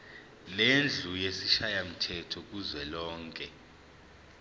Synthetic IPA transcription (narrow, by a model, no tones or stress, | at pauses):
lend͡ɮʱujesiʃajam̩tʰɛtʰɔk̬uzwɛlɔːŋkʼɛ